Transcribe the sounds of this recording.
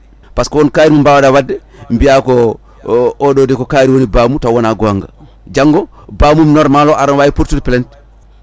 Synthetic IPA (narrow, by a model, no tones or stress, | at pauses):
paskɔwɔnkajɾimumbawadawadːɛ | mbijakɔ | oɗodekokaːɾiwonibaːmutawɔnaɡɔaŋɡa̰ | d͡ʒaŋɡɔ | baːmumnɔɾmalɔʔaɾanwajipuɾtudplent